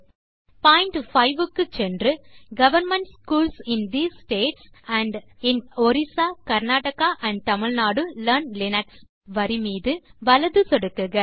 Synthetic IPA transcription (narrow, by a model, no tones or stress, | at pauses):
paːɪɳʈfɐɪʋɯkːɯt͡ʃɛndrɯɡɐʋɐɾmɛɳʈskuːlsɪnd̪iːssʈeːʈsɐɳɖɪnɔɾɪsaːkɐɾnaːʈɐkaːʔɐ̃ɳɖ̚t̪ɐmɪɭnaːɽɯlɐɾnlɪnɐʈs | ʋɐɾimiːðɯʋɐlɐðɯsɔɽɯkːɯɣɐ